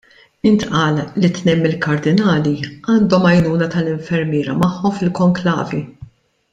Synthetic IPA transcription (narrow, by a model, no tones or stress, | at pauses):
ɪnt̪ʔɐːlːit̪nɛjmːɪlkɐɾd̪ɪnɐːliɐːnd̪ɔmɐjnuːnɐt̪ɐlɪɱfɛɾmɪːɾɐmɐħːɔmfɪlkɔŋklɐ̰ːvi